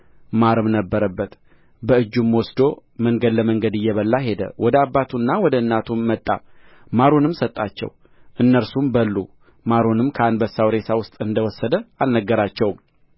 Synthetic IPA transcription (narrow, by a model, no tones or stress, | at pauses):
maɾɨmnəbːəɾəbːət̪ | bəɨd͡ʒːumwɔsd̪o̞məŋɡəd̪ləməŋɡəd̪ɨjːɛβəlːaɦe̞d̪ə̰wɔd̪əabːat̪ʰunːawɔd̪əɨnːat̪ʰumːət̪ʼːa̰ | maɾonɨmsət̪ʼːat͡ʃːɛ̰w | ʔɨnːəɾsumbəlːṵ | maɾonɨmkʰəanbəsawɾe̞sawʊst̪ʼɨnd̪əwɔsːəd̪əalnəɡːəɾat͡ʃːɛwm